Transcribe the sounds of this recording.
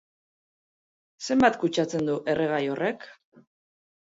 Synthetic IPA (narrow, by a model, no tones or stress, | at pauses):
se̞mbat̪kut͡ʃat͡se̞nd̪uʔe̞rʔe̞ɣ̞ajo̞re̞k